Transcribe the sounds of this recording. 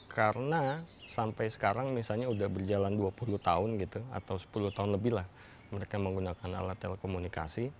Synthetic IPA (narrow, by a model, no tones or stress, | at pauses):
kʰaɾənasampajsə̥kaɾaŋmisalɲaudahbərd͡ʒalanduapuluht̪aʊnɡit̪ua̰t̪awsə̥puluht̪aʊnləbɪhlah | məɾekaməŋɡunakana̰lat̪ːeləkomunika̰si